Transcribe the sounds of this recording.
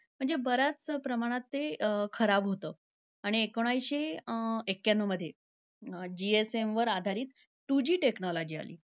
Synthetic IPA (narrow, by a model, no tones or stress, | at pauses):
m̤əɳd͡zebəɾat͡spɾəmaɽ̃at̪ːekʰəɾabɦot̪əː | aɽ̃iekoɽ̃ajɕeekːjanoməd̪ʱːje | d͡ʑiesemʋəɾad̪ʱaɾiːt̪ | ʈud͡ʑiːʈeknɔlɔd͡ʑiːa̰lḭː